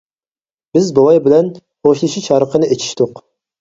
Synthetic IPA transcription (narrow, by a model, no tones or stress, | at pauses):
bɪzbowɑjbɪlɛnχoʃlˠɨʃit͡ʃʰɑɾəqʰənɨʔet͡ʃʰi̥ʃt̪ʊq